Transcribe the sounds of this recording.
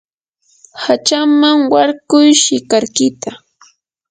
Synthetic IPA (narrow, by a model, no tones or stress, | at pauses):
hat͡ʃamaŋwaɾkʊjʃɪkaɾkɪt̪a